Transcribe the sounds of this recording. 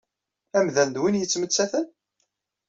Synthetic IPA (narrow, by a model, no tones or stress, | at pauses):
æmðænd̪winjət͡sːmət͡sːæθən